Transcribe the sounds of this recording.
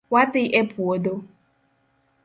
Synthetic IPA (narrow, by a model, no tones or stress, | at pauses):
watɪʔɛpuodo